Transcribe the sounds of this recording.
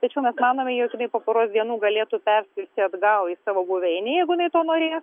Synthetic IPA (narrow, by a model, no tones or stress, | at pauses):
t̪ɐt͡ʃʲɛʊmʲɛsmɑːnoːmʲɛjɛʊkɪnɐɪpoːpoːɾoːsd̪ʲiɛnuːɡɐlʲeːt̪upʲɛrʲsʲɪt̪ʲɪɐd̪ɡɐʊɪsɑːʋoːbuʋʲɛɪnʲɪjɛɪɡʊjɪnɐɪt̪oːnoːɾʲeːs